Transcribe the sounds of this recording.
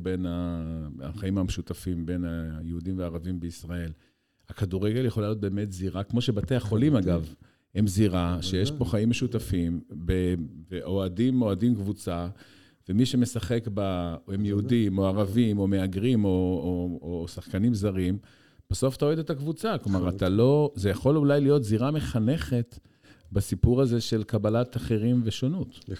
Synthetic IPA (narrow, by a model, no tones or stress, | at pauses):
be̞naaχaimameʃut̪afimbe̞najeud̪imveaːʁavimbeisʁae̞l | hakaduʁe̞ɡe̞ljeχo̞lajo̞t̪̚be̞ːmet̪ziʁakmo̞ʃe̞bat̪eaχo̞limaɡav | hemziʁaʃejeʃpo̞χaimːeʃut̪afimbeveʔo̞adimo̞adimkvut͡sa | vemiʃe̞me̞saχe̞kbahemjeudimo̞aʁavimo̞me̞aɡʁimo̞ː | saχkanimzaʁim | b̥aso̞fḁt̪aoed̪et̪akvut͡saklomaʁat̪alo̞zejaχo̞lulajlijo̞t̪ziʁame̞χane̞χe̞t̪ | basipuʁaze̞ʃe̞lkabalat̪aχeʁimveʃonut̪